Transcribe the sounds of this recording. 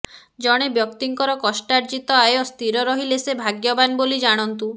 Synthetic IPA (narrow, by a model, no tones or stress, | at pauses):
d͡ʒɔɽ̃ebjɔkt̪iŋkɔɾɔkɔsʈaɾd͡ʒit̪ɔaeɔst̪iɾɔɾɔɦilesebʱaɡjɔbanbolid͡ʒaɽ̃ɔnt̪u